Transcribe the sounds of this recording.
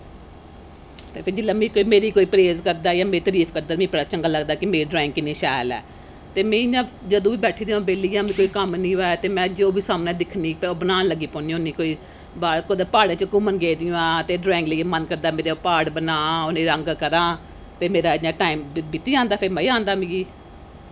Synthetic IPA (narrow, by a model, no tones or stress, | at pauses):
t̪eːpʰɪɾd͡ʒɪlːãːmĩːkoːiːmeːɾiːkoːiːpɾeːzkəɾd̪aːjaːmeːit̪əɾiːfʰkəɾd̪aːmĩːpəɾaːt͡ʃəŋɡaːləɡd̪aːkɪmeːɾiɖɾaːɪ̃ŋɡkɪnẽːʃaːlɛ̰ː | t̪eːmɛ̃ːãː | d͡ʒəd̪õːbiːbɛːʈʰiːd̪ĩãːbeːliːjãːmĩːkoːikəmnĩːoɛːt̪eːmɛ̃ːd͡ʒoːbiːsaːmnɛ̃ːd̪ɪkʰniːpːbənaːnləɡiːpɔːniːõːniːkoːiː | baːɽkod̪epaːɽãːt͡ʃəkʊmənɡeːd̪ɪjõːãːt̪eːɖɾaːɪ̃ŋɡləːemənkəɾd̪aːmeːɾepaːɽbənãːonẽːɾəŋɡkəɾãː | t̪eːmeːɾaːãːʈaːimbit̪iːãːnd̪aːpʰɪɾməiːãːnd̪aːmĩːɡiː